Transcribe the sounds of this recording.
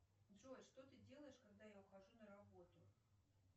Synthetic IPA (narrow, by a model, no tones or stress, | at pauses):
ʐɔjʂt̪ɔt̪ɨd͡zʲɛlˠɐjɛʂkaɣd̪ajawxaʐunɐɾabɔt̪u